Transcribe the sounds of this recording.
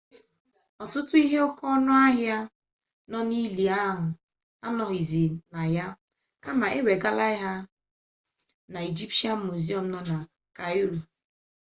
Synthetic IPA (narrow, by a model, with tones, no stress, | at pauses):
ɔ˨tʊ˦tʊ˦i˦ɦe˦o˦kɔ˦nʊ˦a˦ɦja˦ | nɔ˦ni˦li˨a˦ɦʊ˨ | a˦nɔ˨ɣi˨zi˨na˨ja˦ | ka˦ma˨ʔe˦we˨ɡa˦la˦ɪ˦ɦa˦ | na˨i˨d͡ʒi˦pti˦a˦m̩˦mu˨zi˦ɔ˦˨m̩˦nɔ˦na˨ | ka˨i˦ɾu˨